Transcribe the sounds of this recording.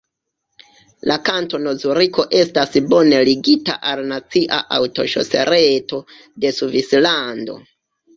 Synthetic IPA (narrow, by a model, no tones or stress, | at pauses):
lakanto̞no̞zuɾiko̞ʔe̞stasbo̞ne̞liɡita̰ʔalnat͡siʔa̰ʔawto̞̰ʃo̞̰se̞̰ɾeto̞ | de̞suvislando̞̰